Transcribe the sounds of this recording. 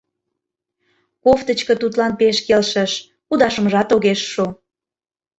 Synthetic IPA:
koft̪ət͡ɕkə̆t̪ut̪lɑnpeʃkelʃəʃ | ud̪ɑʃəməʒɑt̪oɣeʃːu

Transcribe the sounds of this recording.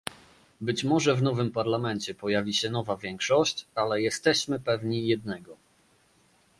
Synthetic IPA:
bɘt͡ɕmɔʐɛvnɔvɘmpaɾlamɛnt͡ɕɛpɔjavʲiɕɛn̪ɔvavʲjɛŋkʂɔɕt͡ɕalɛjɛst̪ɛɕmɘpɛvɲijɛd̪̚nɛɡɔ

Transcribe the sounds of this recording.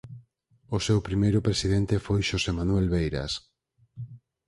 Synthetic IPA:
osewpɾimejɾʊpɾesiðent̪efojʃosemanuelβejɾa̰s

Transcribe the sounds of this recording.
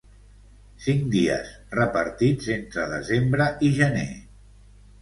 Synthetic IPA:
siŋd̪iə̰s | rəpəɾt̪id͡zent̪ɾəðə̰zembɾəʔiʒənḛ

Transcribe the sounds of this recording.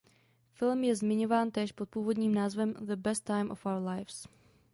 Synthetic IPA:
fɪlmjɛzmɪɲo̞vaːnt̪ɛːʃpot̪̚puːvo̞dɲiːmnaːzvɛmðəbɛst̪ːajmʔo̰fʔawəɾlajfs

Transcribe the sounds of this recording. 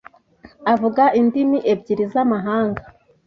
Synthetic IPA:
avuɡaʔindimiʔeb̚ɟiɾizamaɦaːŋɡa

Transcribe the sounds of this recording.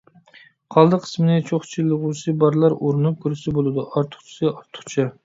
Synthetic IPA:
qʰɑlˠd̪ɨqʰə̥smɪnɪt͡ʃʰoχt͡ʃʰilˠːɨʁusɨbɑɾlˠɑɾoɾɨnup̚kʰʊɾɪsɪbolˠɨd̪uʔɑɾt̪ʰʊ̥χt͡ʃʰi̥sɨɑɾt̪ʰʊ̥χt͡ʃʰɑ

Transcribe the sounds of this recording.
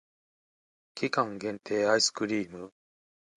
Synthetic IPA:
kʲikãŋɡẽ̞nt̪ʰe̞ːaisɨ̥kɯ̟ɾʲiːmɯ̟

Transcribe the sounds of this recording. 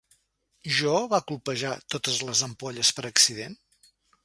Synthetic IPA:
ʒɔβakulˠpəʒat̪ot̪əzləzəmpɔʎəspəɾəksiðen

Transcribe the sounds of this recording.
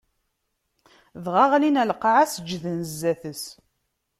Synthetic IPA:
ðʁɑʁlinælqʕasəd͡ʒːðənzːæθəs

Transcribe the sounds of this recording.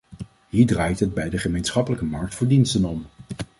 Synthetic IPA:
ɦiːɹdraːjtɦəd̚bɛjdəχəmejnsχɑpələkəmɑɹk̚tfʊːɹdinstənɔm

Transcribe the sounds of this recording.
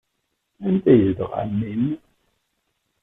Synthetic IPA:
ænt̪æjəðəʁæ̰nːin

